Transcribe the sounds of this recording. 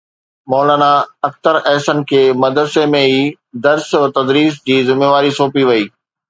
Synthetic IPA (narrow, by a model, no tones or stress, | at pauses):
mɔːlaːnaɐk̚t̪əɾɛɦsənkʰeːmɐd̪əɾsemẽiː | d̪ɐɾst̪ɐd̪ɾiːs̬d͡ʑiːzɪmeːʋaːɾisoːpiʋɐiː